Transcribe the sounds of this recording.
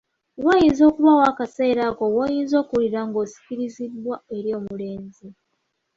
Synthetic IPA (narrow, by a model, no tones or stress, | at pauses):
wajinzo̞ːkuβawaːkase̞ːɾako̞wojiːnzo̞ːkuuliɾaŋɡo̞ːsi̥kiɾizidwae̞ɾjo̞ːmule̞ːnzi